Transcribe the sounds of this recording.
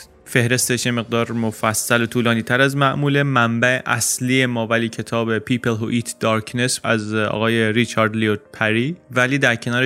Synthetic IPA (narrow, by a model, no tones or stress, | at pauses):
fe̞hɾe̞st̪eʃjeme̞ɣ̚d̪ɒːɾmofæsːælo̞t̪ʰuːlɒːniːt̪ʰæɾæzmæʔmuːle̞mæmbæeʔæsliːjemɒːvæliːcʰe̞t̪ʰɒːbe̞pʰiːpelɦoʔiːt̪ʰd̪̥ɒːɾkʰne̞sæ̰zɒ̰ːɣɒːjeɾit͡ʃʰɒːɾd̪liot̪̚pʰæɾiːvæliːd̪æɾcʰe̞nɒːɾe